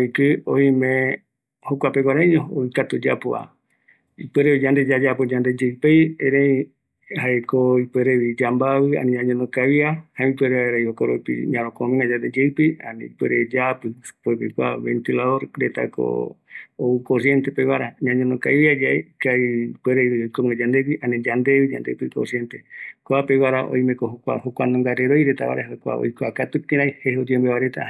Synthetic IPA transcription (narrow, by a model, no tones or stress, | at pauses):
ikɨoĩmẽ | hokʷapeɡʷaɾaiɲõoikat̪ud͡ʒapoa̰ | ipeɾeβid͡ʒand̪ed͡ʒad͡ʒapod͡ʒand̪ed͡ʒeɨpejeɾei | haekoipeɾeβid͡ʒambaβɨa̰nĩɲãɲõnõkaβiahãipweɾeaeɾaihokoɾopḭɲãɾ̃õkomĩŋad͡ʒand̪ed͡ʒeɨpia̰nḭ̃ipweɾed͡ʒapɨpuepekʷa̰βḛnt̪ilaðoɾɾet̪a̰ko̰oukosjent̪epeβaɾaɲãɲõnõkajβiad͡ʒaekaipweɾeβiojkomĩŋad͡ʒand̪epiʔanẽd͡ʒand̪eβid͡ʒa̰nd̪epɨko̰sjent̪ekoapeβaɾaʔo̰jmẽkoɦokʷa̰hokʷanõŋɡaɾeɾojɾet̪a̰βa̰ɾeɦakʷa̰o̰jkoakat̪upt̪ĩɾajhehod̪iembeβaɾet̪a̰